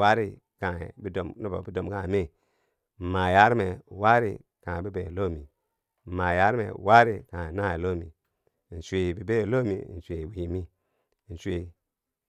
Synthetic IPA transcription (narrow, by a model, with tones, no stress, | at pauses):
wa˦ɾi˦ | kã̰˨bi˦do˨mni˦bo̰˨bi˦do˨mkã˦˨me˦˨ | ma˨ja˦ɾme˨wa˦ɾi˦ | kã˨bi˦be˨lo˦˨mi˨ | ma˨ja˦ɾmḛ˨wa˦ɾi˦kã˨na˦˨lo˦˨mi˨ | n̩˨t͡ʃʷe˨bi˨be˦˨lo˦mḭ˨n̩˨sʷe˨wi˨mi˦˨ | n̩˨t͡ʃʷe˨